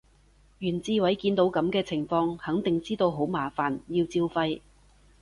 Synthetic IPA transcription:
jyː˨˩nt͡siː˧wɐ˨˥jkiː˧nt̪o˨˥wkɐ˨˥mkɛː˧t͡sʰɪ˨˩ŋfɔː˧ŋhɐ˨˥ŋt̪ɪ˨ŋt͡siː˥t̪o˧wɦo˨˥wmaː˨˩faː˨˩njiː˧wt͡siː˧wfɐ˧j

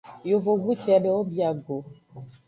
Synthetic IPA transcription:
jo˨vo˨ɡu˦t͡ʃɛ˨˦nɛ˨˦wo˦bi˦a˨ɡo˨

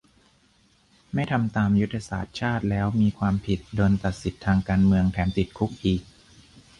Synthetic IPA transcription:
ma˥˩jt̪ʰa˧mt̪aː˧mju˦˥t̪ʰːa˧sa̰ː˨˩t̪̚t͡ɕʰaː˥˩t̪̚lɛː˦˥wmiː˧kʰwaː˧mpʰi˨˩t̪̚doː˧nt̪a˨˩t̪̚si˨˩t̪ʰːaː˧ŋkaː˧nmɯ˧əŋt̪ʰɛː˩˦mt̪i˨˩t̪̚kʰu˦˥k̚ʔiː˨˩k̚

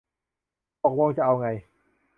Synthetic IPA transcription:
ɔː˨˩k̚mɔ˧ŋt͡ɕa˨˩ʔa˧wŋa˧j

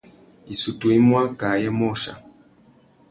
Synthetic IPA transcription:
i˨su˨tu˨i˦mwa˦ka˨jɛ˦mɔ˦˨ʃa̰˨

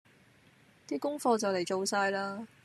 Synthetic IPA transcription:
t̪iː˥kʊ˥ŋfɔː˧t͡sɐ˨wle˨˩jt͡ʃo˨˧wsaː˧jlaː˥

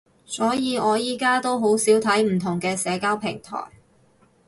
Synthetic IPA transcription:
sɔː˨˥jiː˨˧ɔː˨˧jiː˨kaː˥t̪o˥wɦo˨˥wsiː˨˥wt̪ʰɐ˨˥jm̩˨˩t̪ʰʊ˨˩ŋkɛː˧sɛː˨˧kaː˥wpʰɪ˨˩ŋt̪ʰɔ̰ː˨˩j

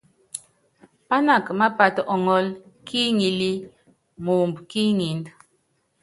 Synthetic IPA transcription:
pa˦na˦˨kma˦pa˨tɔ˨ŋɔ˦lki˦ŋi˨li˦ | mu˨mbki˦ŋi˨nd

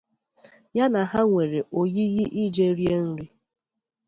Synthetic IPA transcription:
ja˦na˨ɦa˦ŋʷe˨ɾe˨ʔo˨ɣi˦ɣi˦ʔi˦d͡ʒe˦ɾje˦n̩˦ɾi˦

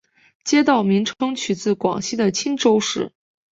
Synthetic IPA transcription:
t͡ɕjɛ˥t̪ɑ˥˩ʊmi˧˥ŋʈ͡ʂʰɤ˥ŋt͡ɕʰy˨˩t͡sɹ̩˥˩kwɑ̰˨˩ŋɕi˥d̪ə˨t͡ɕʰi˥nʈ͡ʂo˥ʊʂɻ̩˥˩

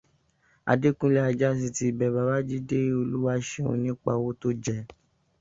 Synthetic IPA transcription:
a̰˨de˦kũ˦lɛ˦a˧d͡ʒa˦s̬i˧ti˦˨bɛ˨βa˨ba˦d͡ʒi˦de˦o˧lu˦wa˦ʃe˨o̰˧˦nĩ˦k͡pa˧wo˦to˦d͡ʒɛ˧˨

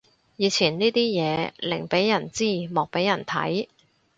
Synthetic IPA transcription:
jiː˨˧t͡sʰiː˨˩nniː˥t̪iː˥jɛː˨˧lɪ˨˩ŋpe˨˥jjɐ˨˩nt͡siː˥˩mɔː˨k̚pe˨˥jɐ˨˩nt̪ʰɐ˨˥j

